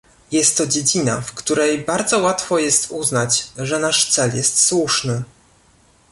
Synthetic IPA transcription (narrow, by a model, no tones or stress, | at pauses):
jɛst̪ːɔd͡ʑed͡ʑina̰fkt̪uɾɛjbaɾd̪zɔwat̪fɔjɛst̪uznat͡ɕʐɛnaʂt̪sɛljɛst̪swuʂnɘ